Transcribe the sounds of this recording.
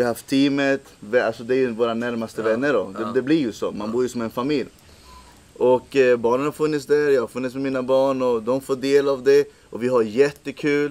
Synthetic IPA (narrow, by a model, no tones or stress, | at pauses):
ɪaɦaft̪ʰːiːmət̪vɛalsɔd̪ɛæɾjɵvoːɾanæɾmast̪əvɛnːəɖɔd̪ɛd̪ɛblɪɾjɵsɔmanbuːɾjɵsɔmɛnfamɪlj | ʔɔkbɑːɳənhaɾfɵnːɪt̪sd̪æɾjɑːhaɾfɵnːɪt̪smɛmiːnabɑːɳɔd̪ɔmfoːɖ̪eːlavd̪ɛ | ʔɔvɪɦaɾjɛt̪ːəkʰʉ̟ːl